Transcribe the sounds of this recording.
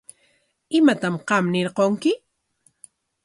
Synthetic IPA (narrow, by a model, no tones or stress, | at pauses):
ɪmat̪amqɑmnɪɾqoŋkɪ